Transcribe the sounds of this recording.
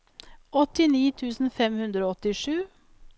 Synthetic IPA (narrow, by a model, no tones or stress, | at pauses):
ʔɔt̪ɪniːt̪ʰʉːsn̩fɛmhʉnd̪ɾoːɔt̪ɪʂʉː